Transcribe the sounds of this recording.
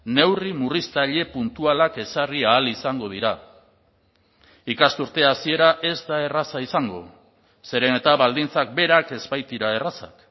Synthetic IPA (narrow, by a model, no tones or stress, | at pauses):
ne̞wrimurist̪aʎe̞punt̪ualake̞sariaːlisaŋɡo̞ð̞iɾa | ikast̪uɾt̪e̞asie̞ɾaʔe̞zd̪ae̞rasaisaŋɡo̞̰ | se̞ɾe̞ne̞t̪aβald̪int͡sak̚be̞ɾake̞zbajt̪iɾae̞rasa̰k